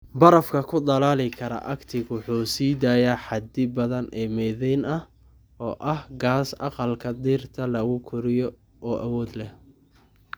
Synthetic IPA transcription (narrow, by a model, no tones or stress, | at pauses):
bɐɾɐfkʰɐkʰʊd̪ɐlaːlɪkʰɐɾɐ̰ʔɐkt̪ʰɪɣʊħuːsiːd̪aːjaħɑd̪ɪbɐðɐnʔɛːmɛːðɛjnɐ | ɔːʔɐhɡaːsɑ̰qɑlkʰɐd̪iːrt̪ʰɐlɐɣʊkʰʊɾɪjɔ | ɔːʔɐwɔːd̪lɛh